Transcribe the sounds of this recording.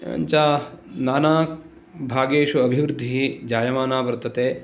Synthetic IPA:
ɐ̰ɲt͡ʃaːnaːnaː | bʱaːɡeːʃuɐbʱiʋɾud̪ʱːiɦid͡ʒaːjɐmaːnaːʋɐɾt̪ʰɐt̪eː

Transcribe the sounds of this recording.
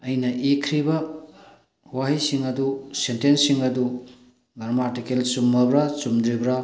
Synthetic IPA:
ɐjnɐʔekʰɾibɐ | waɦijsiŋɐdusentensiŋɐdu | ɡɐɾmatikelsumːɐbɾasumd̪ɾibɾa

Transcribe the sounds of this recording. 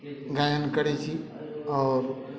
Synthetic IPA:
ɡajənkəɽit͡ʃʰi | ɔːɾ

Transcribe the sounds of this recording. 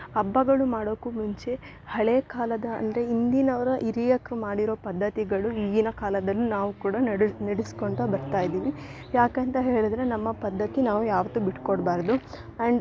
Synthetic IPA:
ɐbːɐɡɐɭumaːɽoːkːumuɲt͡ʃe̞ | hɐɭeːkaːlɐd̪ɐɐ̰nd̪ɾe̞ind̪inɐʋɐɾɐʔiɾijɐkɾumaːɽiɾo̞ːpɐd̪ʱːɐt̪iɡɐɭuiːɡinɐkaːlɐd̪ɐlːunaːʋukuːɽɐɽnɐɽiskoɳʈ̪ɐbɐɾt̪aːjid̪iːʋi | jaːkent̪ɐɦe̞ːɭid̪ɐɾe̞nɐmːɐpɐd̪ːɐt̪ːinaːʋujaːʋɐt̪ːubiʈkoɽbaːɾd̪u | ɐɳɖ

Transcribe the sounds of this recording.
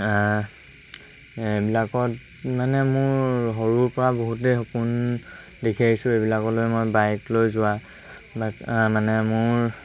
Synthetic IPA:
ebilakɔt | manɛmʊɹɦɔɹuɹpɔɹaboɦut̬ejxɔkʊn | dekʰiaisʊejbilakɔtlojmojbajklojzʊwa | bakmanɛmʊɹ

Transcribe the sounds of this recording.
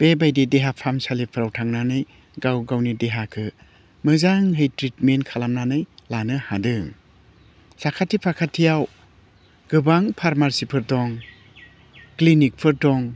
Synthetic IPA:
b̥ebajdideɦapʰamsalipʰɯɾawtʰaŋnanɯj | ɡawɡawnideɦakʰɯ | mɯzaŋɦɯjtɾitmenkʰalamnanɯjlanɯhadɯŋ | sakʰatʰːipʰakʰatʰːijaw | ɡ̥ɯbaŋpʰaɾmaɾsipʰɯɾdɔŋ | klinik̚pʰɯɾdɔŋ

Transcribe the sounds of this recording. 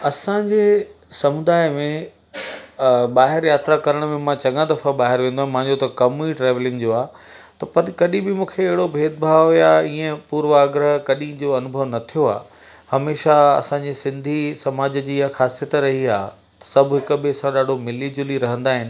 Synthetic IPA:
ɐsãd͡ʑeːsɐmʊd̪aːɪmẽ | ɓaːɦɪɾjaːt̪ɾakɐɾəɽ̃mẽmãt͡ɕɐ̃ŋãd̪ɐfaɓaːɦɪɾʋẽːnd̪oaɦmãɦɪ̃ɲd͡ʑot̪ɐkɐmiʈɾeːʋlɪ̃ŋɡd͡ʑoːaːt̪ɐpɐɾkɐɗĩbɪmũːkʰeːɦɪɽobʱeːd̪̚bʱaːʋɦojaːiːə̃puːɾʋaːɡɾəɦkɐɗĩd͡ʑoɐnʊbʱəʋnɐt̪ʰijoa̰ː | hɐmeːʃaɐ̰sãɲd͡ʑisɪ̃nd̪ʱisɐmaːd͡ʑd͡ʑiːjaxaːsijət̪ɾɐɦiaː | t̪ɐ̥sɐbʱɦɪkʊ̆bɪɐsãɗaːɖʱomɪliːd͡ʑʊliɾɐɦə̃nd̪aːɦɪnɪ̆

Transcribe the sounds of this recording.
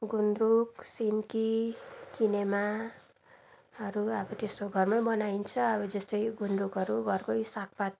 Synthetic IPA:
ɡunruksinkikinema | ɦʌɾuʌbʌt̪est̪oɡʱʌrmajbʌnaint͡sʰʌʌbʌd͡zʌst̪ʌjɡunrukɦʌɾuɡʌrkʌjsak̚pat̪̚

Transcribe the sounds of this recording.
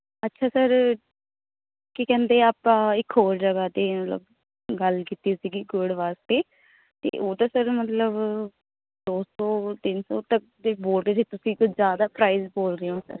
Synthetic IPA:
ətːʃʰaːsəɾ | kikɛ̃ːnd̪eːaːpãːɪkʰɦoːɾd͡ʒəɡaːt̪eːmət̪lə̰b | ɡəlkiːt̪iːsiːɡiːɡʊɖʋaːst̪eː | t̪ḛːʔoːd̪aːsəɾmət̪ləb | d̪oːsɔːt̪ɪnsɔːt̪ək̚d̪eːboːld̪eːseːt̪ʊsĩːkʊzjaːd̪aːpɾaːizboːlɾeːɦõsə̰ɾ

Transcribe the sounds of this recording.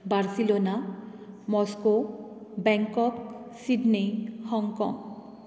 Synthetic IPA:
baɾsilona | mɔskobɛŋkɔk̚siɖnihɔŋkɔ̰ŋ

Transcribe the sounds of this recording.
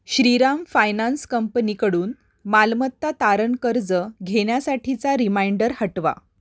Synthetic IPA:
ɕɾiɾamfajnanskəmpəniːkəɽuːn | malmət̪ːat̪aɾənkəɾd͡zəɡʱeɽjasaʈʰit͡saɾimaiɳɖəɾhəʈʋa̰

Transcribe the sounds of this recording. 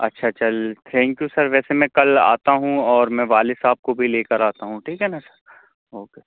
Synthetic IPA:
ɐ̰tːʃʰat͡ʃɐlt̪ʰɛ̃ːŋkjusɐɾʋɛːsemɛ̃kɐla̰ːt̪aɦũɔːɾmɛ̃ʋaːlɪsaːp̚kobʱileːkəɾaːt̪aɦũʈʰiːkɦɛːnasɐ̥ɾ | oːkeː

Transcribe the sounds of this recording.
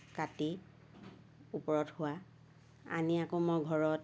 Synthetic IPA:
kati | upɔɹɔthʊa | a̰niakomɔjɡʱɔɹɔt

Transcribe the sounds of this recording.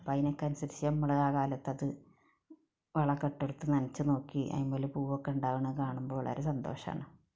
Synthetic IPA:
pɐjnekːaːnsɐɾsijɐmːɐɭɐðaːkaːlɐt̪ːɐðɨ | ʋɐɭɐkːɐʈːeɽut̪ːɨnɐnɐt͡ɕːɨno̞ːkːiʔɐ̰imːoːlupuːʋokːeuɳɖaːʋuɳɐkaːɳumboːɐɭɐ̰ɾesɐnd̪o̞̰ːʂɐɐ̰ːɳɨ

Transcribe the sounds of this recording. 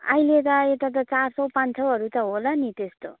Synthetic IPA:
ʌ̰jlet̪ʌet̪at̪̬ʌt͡sarsʌwpant͡sʰʌʌɾut̪ʌɦolʌnit̪est̪o

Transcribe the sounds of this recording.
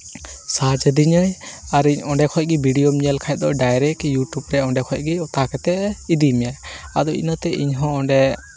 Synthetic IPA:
sad͡ʒd̪iɲəjaɾiɲɔɳɖɛkʰɔc̚ɡibʱiɖijomiɲəlkʰaj̚d̪ɔʔɖajɾɛkjuʈubɾɛɔɳɖɛkʰɔc̚ɡiɔt̪akɛt̪ɛid̪imjaa̰d̪ɔḭnət̪ɛʔḭɲɦɔ̃ɔɳɖɛ

